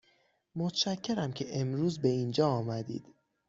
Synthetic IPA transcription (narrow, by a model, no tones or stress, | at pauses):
mot̪ʰʃæcʰːe̞ɾæmcʰe̞ʔemɾuːzbe̞iːnd͡ʒɒːɒːmæd̪ḭːd̪̥